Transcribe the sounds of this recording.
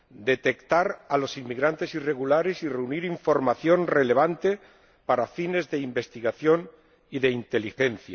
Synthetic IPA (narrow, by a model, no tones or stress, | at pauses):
d̪e̞t̪e̞kt̪aɾalo̞simmːiɣɾant̪e̞sire̞ɣulaɾesire̞uniɾiɱfo̞ɾmaθjo̞nrele̞β̞ant̪e̞ | paɾafine̞zðeimbe̞st̪iɣaθjo̞n | iðe̞int̪elixe̞nθja